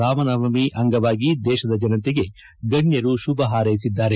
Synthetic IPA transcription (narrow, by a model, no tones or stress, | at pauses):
aːʋɐnɐʋɐmiʔɐŋɡɐʋaːɡid̪ɛːʃɐd̪ɐd͡ʒɐnɐnt̪eɡe̞ | ɡɐnjɐɾuʃubɐɦaːɾɐjsid̪ːaːɾe